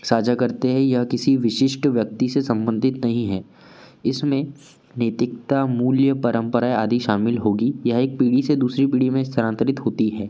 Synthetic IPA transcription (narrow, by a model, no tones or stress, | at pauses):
saːd͡ʒakɐɾt̪eɦɛ̃jɐɦkɪsiʋɪʃɪʃʈʋjɐk̚t̪isesɐ̃mbə̃nd̪ʱɪt̪nɐɦĩɦɛː | ɪsmẽ | neːt̪ɪkt̪amuːljəpɐɾə̃mpəɾaːeaːd̪iʃaːmɪlɦoːɡijɐɦeːk̚piːɽised̪uːsɾipiːɽimẽɪst̪ʰəɾãːnt̪əɾɪt̪ɦoːt̪iɦɛː